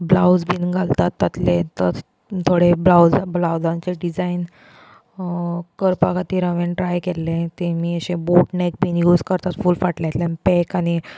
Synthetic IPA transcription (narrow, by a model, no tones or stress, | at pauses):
blawd͡zbinɡʱalt̪at̪ːət̪let̪əɾ | t̪ʰoɽeblawd͡zblawd͡zãɲt͡ɕeɖid͡zain | kəɾpakat̪iːɾəʋenʈɾajkelːet̪emiːəɕẽboʈnek̚bʱiːnjuːd͡zkəɾt̪at̪fuːlfaʈljat̪lanpekani